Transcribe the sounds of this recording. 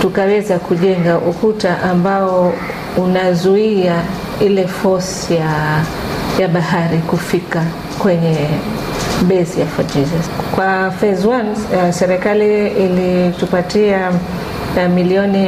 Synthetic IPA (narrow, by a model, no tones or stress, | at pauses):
tukawɛzakuʄɛŋɡaʔukutaʔambaɔ | unazuia | ilɛfɔs | ja | jaɓaɦaɾikufika | kwɛɲɛ | ɓɛzijafadiɾakwafɛzwansɛɾɛkaliːlitupatia | miliɔni